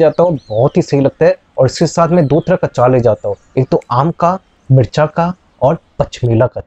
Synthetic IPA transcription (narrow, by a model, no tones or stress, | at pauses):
d͡ʒaːt̪aɦobɔɦɔt̪ɦisɐɦilɐɡ̚t̪eɦɛ̃ | ɔːɾɪskesaːt̪ʰmɛ̃d̪oːt̪ɾakɐt͡ʃaːled͡ʒaːt̪aɦõ | eːk̚t̪oaːmka | bɪɾt͡ʃaka | ɔːɾpɐt͡ʃʰmeːlaka